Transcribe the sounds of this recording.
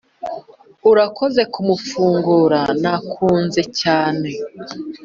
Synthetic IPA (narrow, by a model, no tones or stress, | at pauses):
uɾako̞ze̞kumufuːŋɡuɾanakʰuːnze̞caːne̞